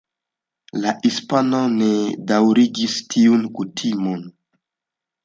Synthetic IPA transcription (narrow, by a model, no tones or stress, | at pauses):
lahispano̞nedawɾiɡistʰiunkutʰimon